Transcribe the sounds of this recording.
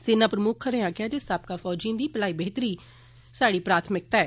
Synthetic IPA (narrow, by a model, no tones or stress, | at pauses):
sɪnãːpɾəmʊkʰːəɾeːãːkɪaːd͡ʒɪst̪aːb̚kaːfʰɔːd͡ʒiãːd̪iːpəlaːiːbəɦɪt̪əɾiː | saːɽiːpɾaːt̪ʰmɪk̚t̪aɛː